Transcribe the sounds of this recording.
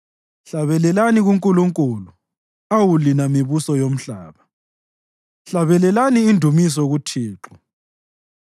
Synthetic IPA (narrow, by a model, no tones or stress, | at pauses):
ɬaβɛlɛlaniɣuŋkʼuluŋkʼulu | awulinamiβusɔjom̩ɬaːβa | ɬaβɛlɛlaniːndʱumis̬ɔɣutʰiːǁɔ̥